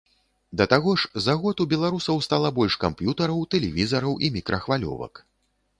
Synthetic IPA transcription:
d̪ɐt̪aɣɔʂzaɣɔt̪ubʲɛlˠaɾusɐwst̪alˠɐbɔlʲʂkampjut̪ɐɾɐwt̪ɛlʲɛvʲizɐɾɐwʔimʲikɾʔɐxvalʲɔ̰vɐ̰k

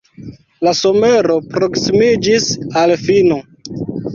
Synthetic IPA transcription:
laso̞me̞ɾo̞pɾo̞ksimid͡ʒisalfino

